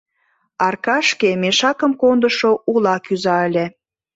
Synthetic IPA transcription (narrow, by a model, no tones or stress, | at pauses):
ɑrkɑʃkemeʃɑkə̆mkond̪əʃoʔulɑkyzɑəlʲe